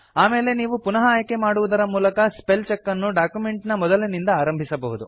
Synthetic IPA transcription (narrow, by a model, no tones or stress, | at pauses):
aːmeːle̞niːʋupunɐɦɐːjɐke̞maːɽuʋud̪ɐɾɐmuːlɐkɐspelt͡ʃekːɐnːuɖaːkjume̞ɳʈnɐmɔd̪ɐlɐnind̪ɐaːɾɐmbʱisɐbɐɦud̪u